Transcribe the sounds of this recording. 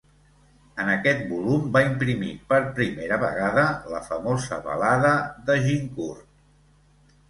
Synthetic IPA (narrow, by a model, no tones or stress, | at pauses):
ənəkɛt̪̚bulumbaimpɾimḭpəɾpɾimeɾəβə̰ɣaðələ̰fəmozə̰βə̰laðəðəʒiŋkurt̪